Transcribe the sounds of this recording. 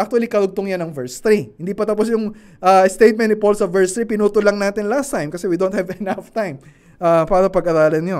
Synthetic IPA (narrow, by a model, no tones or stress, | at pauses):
ʔak̚t̪ʊɐlikɐɾʊɡ̚t̪oŋjanɐŋvɛɹst̪ɾihɪnd̪iːpɐt̪ɐpos̬jʊŋ | ʔaɛst̪ejt̪̚mɛnɪpolsɐvɛɹst̪ɾipɪnuːt̪ʊlɐŋnaːt̪ɪnlast̪ajmkɐsɛwid̪ont̪̚hɛvɛnaft̪ajm | ʔapaːɾɐpɐɡʔɐɾaːlɐnjo